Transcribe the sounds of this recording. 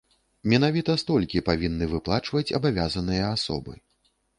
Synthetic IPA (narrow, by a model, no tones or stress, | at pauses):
mʲɛnavʲit̪ɐst̪ɔlʲkʲipavʲinːɨvɨplˠat͡ʂvɐt͡sʲɐ̰bavʲazɐnɨjɐasɔ̰bɨ̰